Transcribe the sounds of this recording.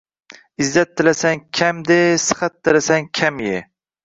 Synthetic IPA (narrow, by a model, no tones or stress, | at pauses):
ɪzːat̪ʰːɪlasaŋkʲʰamd̪esɨ̥χat̪ʰːɪlasaŋkʲʰamjɪ